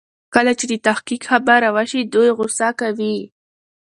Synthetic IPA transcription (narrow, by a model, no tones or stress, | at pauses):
kalat͡ʃɪd̪ɪt̪aχkikxabaɾawaʃid̪ʊjɣʊsakawi